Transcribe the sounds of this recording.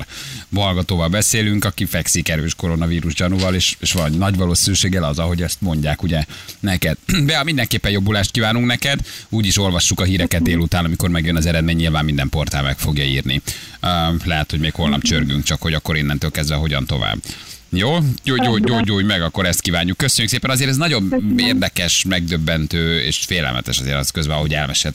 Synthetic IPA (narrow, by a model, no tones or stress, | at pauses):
bɒlɡɒt̪oːvɒlbɛseːlyŋkɒkifɛksikɛɾøːʃko̞ɾo̞nɒviːɾuʒɟɒnuvɒleːʃeːʃʋɒnːɒɟʋɒloːsiɾyʃeːɡɛlɒzɒɦo̞ɟɛst̪mo̞ɲɟaːkuɟɛnɛkɛd̪̚bɛhɒmind̪ɛŋkeːpːɛnjo̞bːulaːʃt̪̚kiːvaːnuŋknɛkɛd̪uːɟiʃo̞lvɒʃːukɒɦiːɾɛkɛt̪̚d̪eːlut̪aːnɒmiko̞rmɛɡjønɒzɛɾɛd̪meːɲːilvaːmmind̪ɛmpo̞rt̪aːlmɛkfo̞ɡjɒiːrni | lɛɦɛt̪ho̞ɟmeːkho̞lnɒ̰pt͡ʃørɡyŋkt͡ʃɒkho̞ɟɒkːo̞ɾinːɛnt̪øːlkɛzd̪vɛɦo̞ɟɒ̰nt̪o̞̰va̰ːbjoːjoːjoːɟoːɟoːɟmɛɡɒkːo̞ɾɛst̪̚kiːvaːɲːukːøsøɲːukseːpɛnɒzeːɾɛznɒɟo̞neːrd̪ɛkɛʃmɛɡ̚d̪øbːɛnt̪øːḛːʃfeːlɛ̰lmʔɛ̰t̪ɛ̰ʃɒzḛːɾɒ̰skøzbɛɦoɟɛ̰lmɛʃelt̪